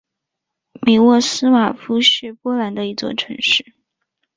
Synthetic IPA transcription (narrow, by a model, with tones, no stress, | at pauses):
mi˨˩wɔ˥˩sɹ̩˥ma˨˩fu˥ɕy˥˩pwɔ˥la˧˥nd̪ə˧i˧˥t͡swɔ̰˥˩ʈ͡ʂʰɤ˧˥ŋʂɻ̩˥˩